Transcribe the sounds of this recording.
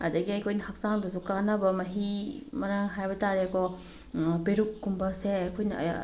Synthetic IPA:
ɐdɐɡiɐjkʰojnɐhak̚saŋdɐzukanɐbɐmɐɦimɐɾaŋɦajbɐtaɾekɔ | peɾuk̚ːumbɐseɐjkʰojnɐ̰

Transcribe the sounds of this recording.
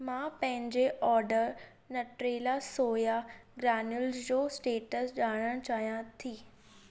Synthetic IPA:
mãːpɐ̃ɦɪ̃ɲd͡ʑeʔɔːɾɖəɾ | nɐʈɾeːlasoːjaɡɾaːnʊlzd͡ʑoːsʈeːʈəsɗaːɽ̃ə̃t͡ɕaːɦijãt̪ʰiː

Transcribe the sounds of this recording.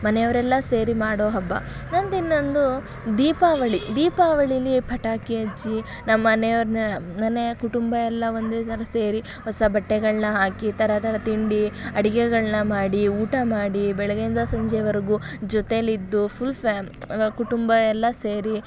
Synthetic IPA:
mɐnɛjɐʋɐɾɛlːɐseːɾimaːɽoːɦɐbːɐ̰nɐnd̪inːo̞nd̪u | d̪iːpaʋɐɭid̪iːpaːʋɐɭiɐlipʰɐʈaːkiɐd͡ʒi | nɐmːɐnejɐʋɐɾnnɐneɐkuʈumbɐɛlːɐond̪eːt̪ɐɾɐseːɾi | ɦɔsɐbʱɐʈːɛɡɐɭnɐɦaːkit̪ʰɐɾɐt̪ʰɐɾɐt̪iɳɖiɐɽiɡɛɡɐɭnɐmaːɽiuːʈɐmaːɽibɛɭɐɡend̪ɐsɐɲd͡ʒɛʋɐɾɐɡud͡ʒɔt̪eɐlid̪ːupʰulpeːmkuʈumbɐɛlːɐseːɾi

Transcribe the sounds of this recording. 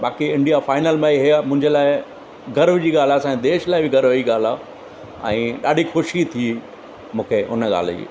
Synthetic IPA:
ɓaːkiɪ̃ɳɖijafaːɪnəlmãːiɦijamʊ̃ɦɪɲd͡ʑəlaːɪ | ɡɐɾʋd͡ʑiːɠaːl̤aːsãd̪eːʃlaːɪbɪɡɐɾʋiɠaːl̤aː | ɛ̰̃ːɗaːɗʱixʊʃit̪ʰi | mũːkʰeʔʊ̰nɠa̰ːl̤d͡ʑḭː

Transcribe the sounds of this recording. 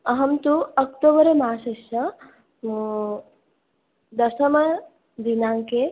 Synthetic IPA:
ɐɦɐmt̪uɐkt̪oːbɐɾɐmaːʃeʃɐ | d̪ɐʃɐmɐ | d̪inaːŋke

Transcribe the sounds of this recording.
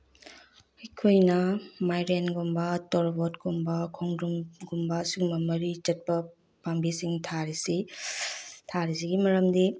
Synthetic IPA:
ɐjkʰojnɐmajɾenɡumbɐtɔɾbotɡumbɐkʰoŋdumɡumbɐːsiɡumɐmɐɾit͡ʃɐt̚pɐ | pambisiŋtʰaɾisi | tʰaɾisiɡimɐɾɐmdi

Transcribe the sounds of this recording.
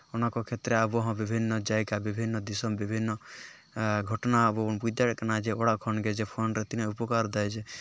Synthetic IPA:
onakɔkʰet̪ɾeabɔɦɔ̃bibʱinːɔd͡ʒajkabibʱinːɔd̪isɔmbibʱinːɔ | ɡʱɔʈɔnabɔunpujd̪aɾknad͡ʒeoɽakʰɔnɡed͡ʒepʰonɾɛt̪inaupɔkaɾd̪ajd͡ʒʰe

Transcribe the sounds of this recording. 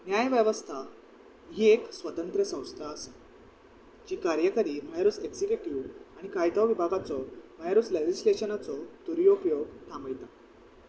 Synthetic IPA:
njajʋjəʋəst̪ʰa | ɦieksʋət̪ənt̪ɾəsə̃w̃st̪ʰaːse | d͡ʑiːkaɾjəkaɾiːm̤əjaɾuːt͡seɡsikjuʈiʋaɽ̃ikajt̪aʋibʱaɡat͡sɔm̤əjaɾusled͡ʑisleɕənat͡sɔt̪uɾijoupjoɡt̪ʰaməjt̪a

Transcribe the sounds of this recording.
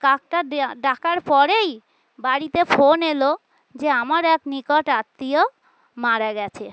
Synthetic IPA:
kak̚ʈaɖakaɾpɔɾej | baɾit̪efonelo | d͡ʑeamaɾɛknikoʈat̪ːio | maɾaɡɛt͡ɕʰe

